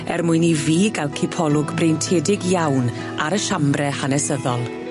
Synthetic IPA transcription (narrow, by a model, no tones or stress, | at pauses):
ɛ̰rmʊɨniviːɡalˠkʰɪpʰɔlˠʊɡbrejntʰeːdɪɡjawn | aɾəʃambrɛhanɛsəðɔlˠ